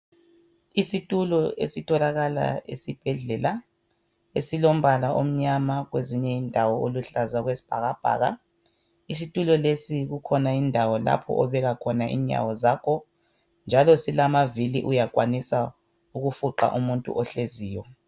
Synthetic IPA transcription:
isitʼulɔʔḛsitʰɔlaɣala̰ḛsib̥ʱɛɮɛla | esilom̩balaʔom̩ɲamaɣweziɲɛindʱawɔoluɬazaɣwesi̥b̥ʱaɣab̥ʱa̰ːɣa̰ | is̬itʼulɔlesiɣukʰɔnaindʱawɔla̰pʰɔ̰ʔɔβɛɣakʰɔnaʔḭːɲa̰wɔzaːkʰɔ | nd͡ʒʱalɔsilamaviliʔujakʼwanisa | uɣufuǃa̰ʔumuntʼṵʔɔɬeziːjɔ

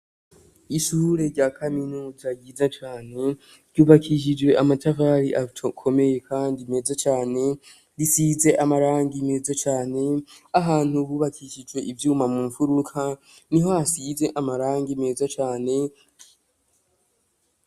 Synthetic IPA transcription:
iʃuːɾe̞ɾɟaːkʰaminuːzaɟiːzat͡ʃaːne̞ | ɾɟuːβakʰiʃ̬id͡ʒwe̞ʔamatʰavaːɾiʔakʰo̞me̞je̞kʰaːndime̞zat͡ʃaːne̞ | ɾisiːze̞ʔamaɾaːŋɡime̞zat͡ʃaːne̞aɦaːn̥huβuːβakʰiʃid͡ʒwe̞ʔivjuːmamumufuɾukʰa | niɦo̞hasize̞ʔamaɾaːŋɡime̞ːzat͡ʃaːne̞

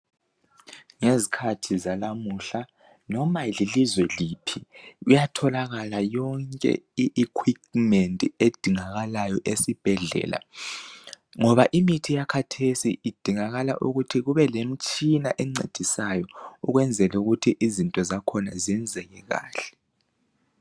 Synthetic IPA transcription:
ŋezikʰatʰizalamuɬa | nɔmalilizwɛliːpʰiɣujatʰɔlaɣalajɔŋkʼɛ̰iʔːkʰwikmɛntʼied̥ʱiŋaɣalajɔʔesib̥ʱɛɮɛ̰ːla̰ | ŋɔβaʔimitʰijakʰatʰesiʔːd̥ʱiŋaɣala̰ʔuɣutʰiɣuβɛlem̩t͡ʃʼinaʔɛŋ͡ǀḛd̥ʱisajɔuɣwɛnd͡zʱɛluɣutʰiʔizintʼɔzakʰɔnaziɛnd͡zʱɛɣɛɣa̰ːɬɛ̥

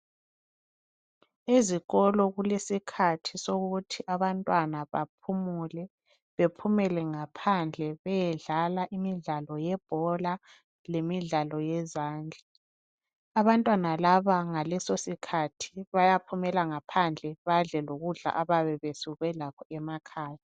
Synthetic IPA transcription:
eziɣɔlɔɣulesikʰatʰisoɣutʰiʔaβantʼwanaβap̚ʰumulɛ | βepʰumɛlɛŋapʰand͡ɮʱɛβɛjɛɮalaʔimiɮalɔjɛb̥ʱɔla | lemiɮalɔjɛzaːnd͡ɮʱi | aβantʼwanalaβaŋalɛsosikʰatʰi̥βajapʰumɛlaŋapʰand͡ɮʱɛβaɮɛloɣuɮa̰ʔaβaβɛβesuɣwɛlakʰɔɛmakʰaːja

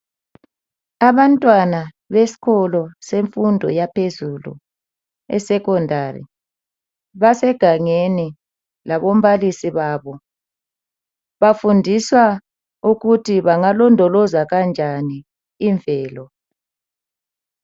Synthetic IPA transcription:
aβantʼwana | βesi̥kɔlɔseɱfundʱɔ̰japʰezulṵ | ɛ̰sɛkɔndʱarḭ | βasɛɡ̥ʱaŋeni | laβom̩βalisiβaːβɔ | βafundʱiswa | uɣutʰiβaŋalɔndʱɔlɔzaɣand͡ʒʱaniː | ɱvʱɛːlɔ

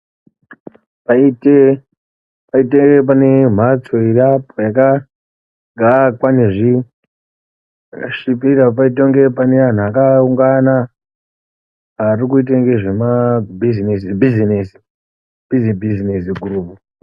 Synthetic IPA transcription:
paite | paiteŋpane̞m̤at͡soijapojaka | ɡʱakwaneʐi | akaʃipirapaitoŋɡe̞panean̤uakauŋɡana | arik̬uit̬aŋɡeʐe̞mabizinsibʱizinesi̥ | bizibʱizinesiɡʱuruːpu

